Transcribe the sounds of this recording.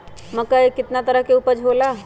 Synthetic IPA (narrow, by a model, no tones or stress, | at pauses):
məkaekɪt̪nat̪ɐɾəɦkeupəd͡ʒʱɦoːlaː